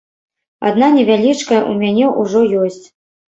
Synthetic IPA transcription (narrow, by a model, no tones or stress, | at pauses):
a̰d̪nanʲɛvʲalʲit͡ʂkɐʔumʲanʲɛʔuʐɔjɔsʲt͡sʲ